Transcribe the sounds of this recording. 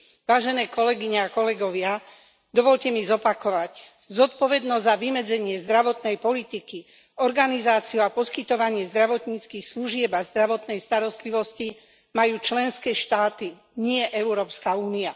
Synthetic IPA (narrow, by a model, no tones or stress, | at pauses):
ʋaːʒɛnɛːkɔlɛɡiɲɛakɔlɛɡɔʋɪa | d̪ɔʋɔʎcɛmizɔpakɔʋac | zɔt̪pɔʋɛd̪nɔzzaʋimɛd͡zɛɲɪɛzd̪ɾaʋɔt̪nɛjpɔlit̪iki | ɔɾɡanizaːt͡sijuapɔskit̪ɔʋaɲɪɛzd̪ɾaʋɔt̪ɲiːt͡skiːxsluʒɪɛbazd̪ɾaʋɔt̪nɛjst̪aɾɔst̪liʋɔsci | majuːt͡ʃlɛnskɛːʃt̪aːt̪i | ɲɪɛʔɛʊɾɔːpskauːnia